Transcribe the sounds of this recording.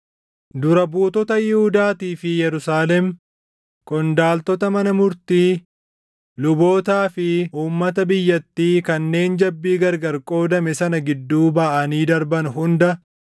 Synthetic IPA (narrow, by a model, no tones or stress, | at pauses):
d̪ʊɾɐbuːt̪ɔt̪ɐjɪhʊd̪aːt̪iːfɪjɛɾʊsaːlɛm | kʼɔnd̪aːlt̪ɔt̪ɐmɐnɐmʊɾt̪iː | lʊbo̞ːt̪aːfɪʔuːmːɐt̪ɐbɪjːɐt̪ːiːkɐnːe̞ːnd͡ʒɐbːiːɡɐɾɡɐɾkʼo̞ːd̪ɐmɛsɐnɐɡɪd̪ːuːbɐʔɐniːd̪ɐɾbɐnɦʊnd̪ɐ